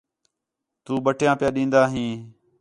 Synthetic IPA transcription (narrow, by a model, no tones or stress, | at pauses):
t̪uːɓəʈʰjãːpɪjaːɗĩːnd̪aːɦĩː